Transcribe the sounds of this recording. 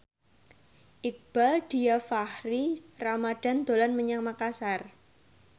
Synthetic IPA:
ʔɪk̚b̥ald̥i̤afahriramad̥a̤nd̪̥o̤lanməɲaŋmakasar

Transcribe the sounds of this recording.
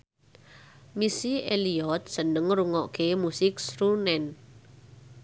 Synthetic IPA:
misieliɔt̪̚sənəŋɾuŋɔʔkemusɪk̚sɾunɛn

